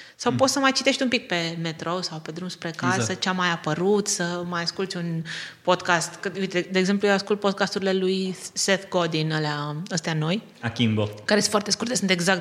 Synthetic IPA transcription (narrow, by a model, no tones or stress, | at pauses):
sawpot̪səmajt͡ʃi̥t̪e̞ʃt̪ʲumpik̚pe̞me̞t̪ɾo̞sawpe̞d̪ɾumspɾe̞kasət͡ʃeamajapəɾut̪səmajaskult̪sʲunpo̞d̪kast̪kəit̪d̪eːɡze̞mplujewaskult̪̚po̞d̪̚kast̪uɾile̞lujseθɡod̪inəleaəst̪eano̞j | akʲimbokaɾesfart̪e̞skurt̪esɨnt̪e̞ɡzak̚t̪